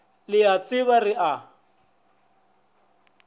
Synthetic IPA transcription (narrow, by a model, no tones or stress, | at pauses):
lɪat͡sʼɪβarɪʔa